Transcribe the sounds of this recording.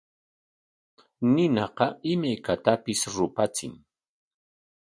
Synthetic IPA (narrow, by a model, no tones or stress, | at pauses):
nɪnɑqɑɪmajkat̪apɪsɾʊpat͡sɪ̰ŋ